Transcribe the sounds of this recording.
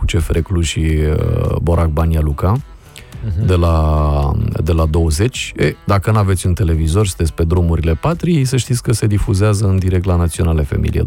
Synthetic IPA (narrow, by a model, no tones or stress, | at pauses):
ut͡ʃe̞fɾekluʃi | bo̞ɾʔak̚banjaluka | d̪e̞la | d̪e̞lad̪o̞wəze̞t͡ʃʲed̪akənave̞t̪sʲɨnt̪e̞le̞vizo̞rʲst̪esʲpe̞d̪ɾumuɾile̞pat̪ɾis̬əʃt̪it̪sʲkəse̞d̪ifuzeazəɨnd̪iɾek̚t̪lanat̪sio̞nalefḛmḭlḭḛ